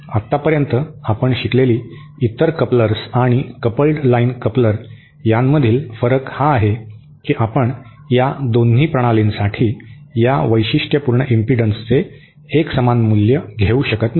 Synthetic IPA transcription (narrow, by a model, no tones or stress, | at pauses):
at̪ːapəɾjənt̪əapəɳɕikleliː | it̪əɾkəpləɾsaɽ̃ikəpəlʈlainkəpləɾ | jamːəd̪ʱiːlfəɾəkhaːɦe | kiːʔapəɳ | jad̪onɦiːpɾəɽ̃alinsaʈʰiːjaʋəjɕiʂʈjəpuɾɳəʔimpiɖənst͡seː | ksəmanmuljəɡʱeuɕəkət̪n